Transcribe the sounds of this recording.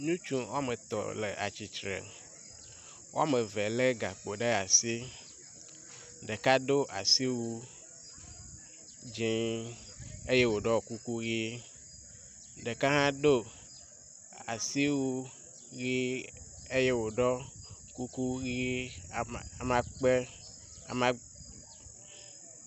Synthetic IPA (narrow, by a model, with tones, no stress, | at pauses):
ɲũ˦t͡ʃũ˦wo˦a˦me˨t̪ɔ̰˨lḛ˨ʔa̰˨t͡ʃi˨t͡ʃɾḛ˨ | wo̰˦a˦me˨ve˨le˦ɡa˨k͡po˨ɖe˦a˨si˦ | ɖe˨ka˦ɖo˦ʔa̰˨si˦wu˦ | d͡ʒĩ˦ | e˦je˦wo˨ɖɔ˦˨ku˦ku˦ɣi˦ | ɖɛ˨ka˦ɦã˦ɖo˦ | a˨si˦wu˦ | ɣi˦ | e˦je˦wo˨ɖɔ˦ku˦ku˦ɣi˦˨ | a˨mã˦k͡pe˦ | a̰˨mã˦